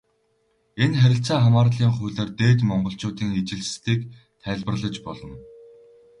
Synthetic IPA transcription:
enχæɾʲɪ̆ɬt͡saːχamaːrɮiːŋχuɮeːrt̪eːt̪mɔɴɢɞ̆ɬt͡ɕʊːt̪iːŋet͡ɕɪ̆ɮst̪iːk | t̪ʰæːɮpə̆rɮə̆t͡ɕpɔɮɞ̆n

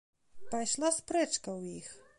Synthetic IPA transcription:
pajʂlˠaspɾɛt͡ʂkɐwjix

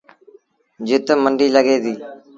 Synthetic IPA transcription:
d͡ʒɪt̪məɳɖiːləɡeːd̪iː

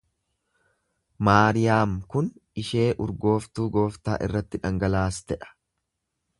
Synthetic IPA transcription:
maːɾɪjaːmkʊnɪʃe̞ːʔʊɾɡo̞ːft̪uːɡo̞ːft̪a̰ːʔɪ̰rːɐt̪ːɪᶑɐŋɡɐlaːst̪ɛᶑɐ̥

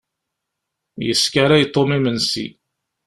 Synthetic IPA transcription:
jəskaɾajt̪ˤːomimənsḭ

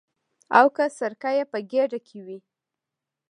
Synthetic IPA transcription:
awkəsaɾkajepəɡeɖakʰewi

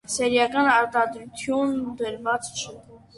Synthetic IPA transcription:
sɛɾjɑkɑnɑɾt̪ɑd̪ɾut̪ʰjunbəɾvɑt͡st͡ʃʰə

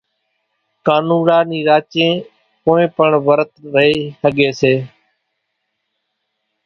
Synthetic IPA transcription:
kaːnũːɾaːniːɾaːt͡ʃẽː | poːẽːpəɳʋəɾət̪ɾəɦeːsəɠeːseː

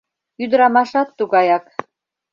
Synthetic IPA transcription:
yd̪əɾɑmɑʃɑt̪ːuɣɑjɑk

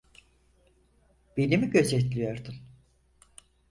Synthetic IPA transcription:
b̥enimiɟø̞zɛt̪lʲijo̞ɾd̪un

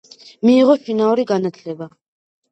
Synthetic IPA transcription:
miːʁɔʃinauɾiɡanat̪ʰlɛba

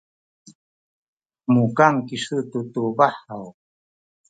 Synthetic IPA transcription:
mukaŋkiʂɨt̪ut̪ubaħaw

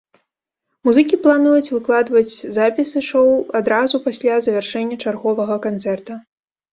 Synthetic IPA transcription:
muzɨkʲiplˠanujut͡sʲvɨklˠad̪vɐt͡sʲzapʲisɨʂɔwad̪ɾazupasʲlʲazɐvʲarʂɛnʲːɐt͡ʂarɣɔvɐɣɐkant̪sɛrt̪ɐ

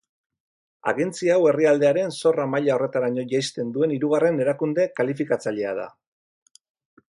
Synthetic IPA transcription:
a̰ɣe̞nt͡siawe̞riald̪e̞aɾe̞nso̞ramaʎao̞re̞t̪aɾaɲo̞ʝajst̪e̞nd̪ue̞niɾuɣare̞ne̞ɾakund̪e̞kalifikat͡saʎe̞a̰ð̞a̰

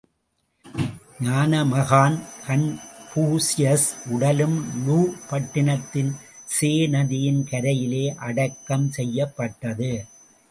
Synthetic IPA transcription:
ɲaːnɐmɐɣaːnkɐnpuːsɪjɐsʔʊɽɐlɯmluːpɐʈːɪɳɐt̪ːɪnseːnɐðɪjɪnkɐɾɐjɪleːʔɐɽɐkːɐmsɛjːɐpːɐʈːɐðɯ

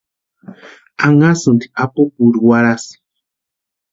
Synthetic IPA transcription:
aŋasɨnd̪i̥ʔapokuɾuwaɾasi̥

